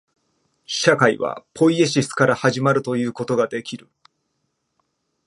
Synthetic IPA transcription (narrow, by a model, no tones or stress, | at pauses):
ɕakaiβa̰pʰo̞ie̞ɕisɨ̥kaɾahaʑimaɾɯ̟t̪o̞jɯ̟ːko̞t̪o̞ɡad̪e̞kʲiɾɯ̟